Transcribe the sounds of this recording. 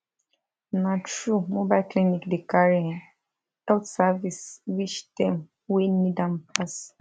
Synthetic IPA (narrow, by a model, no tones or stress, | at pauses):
natɹumobaɪlklinikdikaɹĩ | ɛltsaviswit͡ʃtɛ̃m | wenidãmpʰas